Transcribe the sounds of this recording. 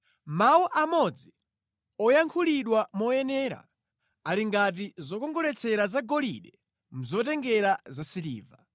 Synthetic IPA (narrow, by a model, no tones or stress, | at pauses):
mawuʔamɔd͡zi | ɔjaŋkʰuliɗwamɔjɛnɛːɾa̰ | aliŋɡat̬izɔkɔŋɡɔɾɛt͡sʰɛɾazaɡɔliɗɛ | m̩zɔtɛŋɡɛɾazasilḭːva